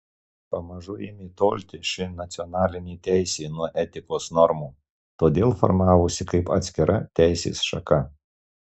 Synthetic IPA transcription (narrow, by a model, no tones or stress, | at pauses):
pɐmɐʒʊjɪmʲiːt̪oːlʲt̪ʲɪʃʲɪnɐt̪sʲɪɔnɑːlʲɪnʲiːt̪ʲæˑɪsʲeːnuɔʔɛt̪ʲɪkoːsnɔɾmuː | t̪oːd̪ʲeːlˠfɔ̰ɾmɑːʋosʲɪkɐɪpɐt̪ʲsʲkʲɪɾɐt̪ʲæɪsʲḛːsʃɐkɐ